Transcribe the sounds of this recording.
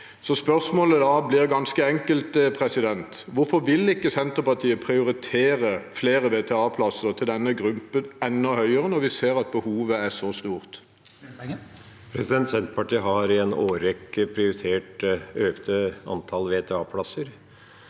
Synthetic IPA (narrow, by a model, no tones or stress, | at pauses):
sɔspœsmoːləd̪ɑːblɪʁɡɑnskəɛŋkəlt̪əpʰʁɛsɪd̪ɛnt̪ʋʊɾfɔʋɪlɪkːəsɛnt̪əɾpɑʈ̪ʰiːəpʰʁɪʊɾɪt̪ʰeːɾəfleːɾəʋeːt̪ʰɛɑːpʰlɑsəʁt̪ʰɪld̪ɛnːəɡʁʉmpənɛnːɔhœʏəʁənɔɾʋɪseːʁɑt̪̚bəhuːʋəæsɔst̪uːʁt̪ | pʰɾɛsɪd̪ɛnt̪sɛnt̪pɑʈiːɦɑɾɪɛnoːɾɛkːəpʰɾɪʊɾɪt̪ʰeːʈøːkt̪ʰəɑ̰nt̪ʰɑlʋeːt̪ʰɛɑːpʰlɑsəɾ